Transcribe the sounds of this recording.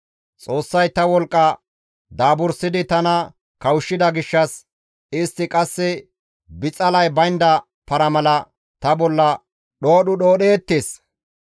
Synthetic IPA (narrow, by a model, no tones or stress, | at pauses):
t͡sʼo̞ːsːɐjt̪ɐwɔlkʼːɐ | d̪aːbʊɾsɪd̪ɪt̪ɐnɐ | kɐwʊʃːɪd̪ɐɡɪʃːɐs | ɪst̪ːɪkʼɐsːɛ | bɪt͡sʼɐlɐjbɐjnd̪ɐ | pɐɾɐmɐlɐ | t̪ɐbɔlːɐ | ɗo̞ːɗʊɗoːɗeːt̪ːeːs